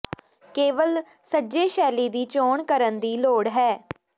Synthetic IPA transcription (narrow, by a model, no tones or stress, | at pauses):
keːʋəl | səd͡ʒeːʃɛːliːd̪iːt͡ʃoːɳkəɾənd̪iːloːɽɦɛː